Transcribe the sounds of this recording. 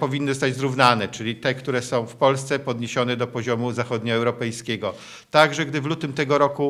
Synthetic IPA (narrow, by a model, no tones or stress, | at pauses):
pɔvʲinːɨzst̪ad͡ʑzɾuvnanɛt͡ʂɘlʲit̪ɛkt̪uɾɛsɔ̃w̃fpɔlst̪sɛpɔd̪ɲeɕɔnɛd̪ɔpɔʑɔmuzaxɔd̪ɲɔɛwɾɔpɛjskʲɛɡɔ | t̪aɡʐɛɡd̪ɘvlut̪ɘmt̪ɛɡɔɾɔku